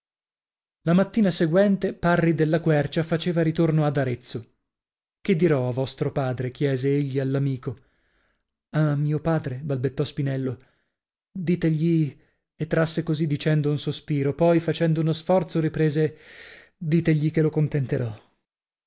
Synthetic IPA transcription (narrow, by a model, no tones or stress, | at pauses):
lamat̪ːiːnaseɡwɛnt̪eparːid̪elːakwɛrt͡ʃafat͡ʃeːvaɾit̪ornoad̪aɾet̪so | ked̪ːiɾɔavːɔst̪ɾopaːd̪ɾek̟jɛːzeeʎːialːamiːko | amːiːopaːd̪ɾebalbet̪ːɔspinɛlːo | d̪iːt̪eʎi | et̪ːɾasːekozid̪ːit͡ʃɛnd̪ounsospiːɾopɔjfat͡ʃɛnd̪ounosfɔrt̪soɾipɾeːze | d̪iːt̪eʎːikelokont̪ent̪eɾɔ